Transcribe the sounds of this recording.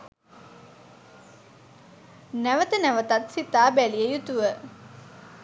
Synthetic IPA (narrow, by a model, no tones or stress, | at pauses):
næʋət̪ənæʋət̪ɐt̪sit̪aːbælijejut̪uʋə